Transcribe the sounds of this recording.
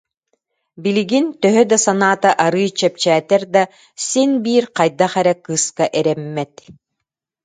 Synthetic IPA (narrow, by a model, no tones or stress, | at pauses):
biliɡint̪œɦœd̪asanaːt̪aʔaɾɯjt͡ɕɛp̚t͡ɕæːt̪ɛɾd̪a | sinbiːɾqajd̪aχɛɾɛkɯskaʔɛɾɛmːɛt̪